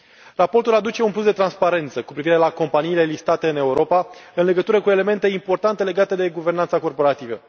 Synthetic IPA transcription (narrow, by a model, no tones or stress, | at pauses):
rapo̞rt̪ulad̪ut͡ʃe̞unplus̬d̪e̞t̪ɾanspaɾe̞nt̪səkupɾiviɾe̞lako̞mpaniːle̞list̪at̪e̞ɨne̞uɾo̞paɨnle̞ɡət̪uɾəkue̞le̞me̞nt̪e̞impo̞rt̪ant̪e̞le̞ɡat̪e̞d̪e̞ɡuve̞rnant̪sako̞rpo̞ɾat̪ivə̰